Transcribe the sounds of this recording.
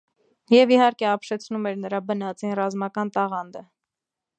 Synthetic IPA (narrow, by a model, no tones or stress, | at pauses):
jɛvihɑɾkɛɑpʃɛt͡sʰnumɛɾnəɾɑbənɑt͡sinrɑzmɑkɑnt̪ɑʁɑnd̪ə